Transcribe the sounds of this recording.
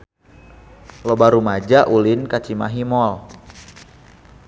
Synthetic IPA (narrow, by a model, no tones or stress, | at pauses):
lobaɾumad͡ʒaʔulinkat͡ʃimaɦimɔl